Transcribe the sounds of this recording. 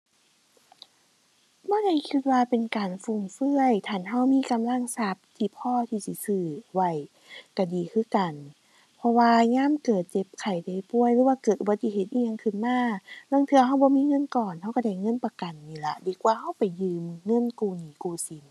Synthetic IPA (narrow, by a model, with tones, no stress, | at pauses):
bɔː˧˥˨da˧˩˨jkʰi˧t̪̚waː˧pe˨nkaː˨˩nfu˧˩ŋfɯ˧˩əjt̪ʰaː˧˩˨nɦa˧˥˩wmiː˧˥˨ka˨mla˧˥˨ŋsa˧˥˩p̚t̪ʰiː˧˩pʰɔː˧˥˨t̪ʰiː˧˩si˧˦sɯː˧˩wa˧˩j | ka˧˩diː˨˩kʰɯː˧˥˩ka˨˩n | pʰɔ˧waː˧ŋaː˧˥˨mkɤː˨˩t̪̚t͡ɕe˧˦p̚kʰa˨˩jda˧˩jpu˧˩əjɾɯː˧˦waː˧kɤː˨˩t̪ʔa˧t̪ʰiː˧he˧t̪̚ʔiː˧˨ɲa˧ŋkʰɯ˧˩˨nmaː˧˥˩lɔ˧˥˨ŋt̪ʰɯ˧ɐɦa˧˩˨wbɔː˧˦miː˧˥˨ŋɤ˧˥˨nkɔː˨˩nha˧˩wka˧˩da˧˩jŋɤ˧˥˨npa˧ka˨nːiː˧˩la˧diː˨kwaː˧˦ɦa˧˥˨wpa˨˩jːɯː˧mŋɤ˧˥˨nkuː˧˩niː˨˦kuː˧˩si˨˦n